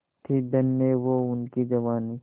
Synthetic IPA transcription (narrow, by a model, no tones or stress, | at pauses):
t̪ʰid̪ɐnmẽʋoʊnkid͡ʒɐʋaːni